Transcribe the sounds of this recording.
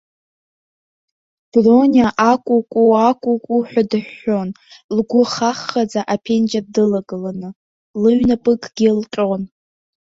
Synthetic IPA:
b̥ronaʔakʷʼukʷʼuakʷʼukʷʼuħʷᶣadɨħːo̞n | lɡʷʊχaχːad͡zaʔapʰe̞nd͡ʒab̚dɨlaɡɨlanɨ | lɨɥnapʼɨkʼɡ̥ʲilqʲʼon

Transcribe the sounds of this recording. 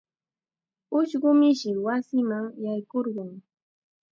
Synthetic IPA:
ʊʃɢʊmɪʃɪwasɪmaŋjajkoɾɢʊŋ

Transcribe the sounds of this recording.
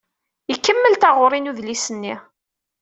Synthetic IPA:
ikːəmːəlt̪aʁʊɾˤinuðlisənːi

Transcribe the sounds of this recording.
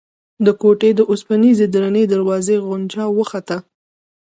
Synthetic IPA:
d̪əkoʈed̪əʔʊspanized̪ɾaned̪aɾwɑzeɣʊnt͡ʃɑwəxat̪a

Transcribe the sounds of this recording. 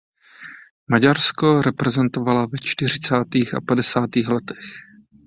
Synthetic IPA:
maɟaɾsko̞ɾɛpɾɛzɛnt̪o̞valavɛt͡ʃt̪ɪr̝ɪt͡saːt̪iːxa̰padɛsaːt̪iːxlɛt̪ɛ̥x

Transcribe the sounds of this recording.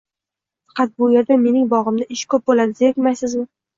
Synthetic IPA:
fɑ̥qɑt̪̚bʊje̞ɾd̪ame̞nɪŋbɒʁɨmd̪aʔɪʃkʰɵp̚bolanɪzjekʲmajsɪzmɪ

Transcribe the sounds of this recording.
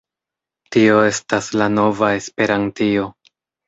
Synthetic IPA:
tio̞e̞staslano̞vae̞spe̞ɾantio̞

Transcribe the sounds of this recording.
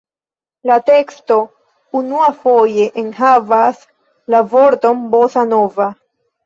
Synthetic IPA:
late̞ksto̞ | unuafo̞je̞ʔenɦavas | lavo̞ɾto̞nbosano̞va

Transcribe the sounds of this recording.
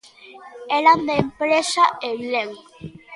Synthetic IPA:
eɾand̪empɾeʃaeleŋ

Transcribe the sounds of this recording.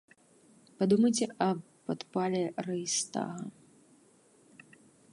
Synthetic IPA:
pad̪umɐjt͡sʲɛʔɐ | pat̪palʲɛrɐjst̪a̰ɣɐ̰

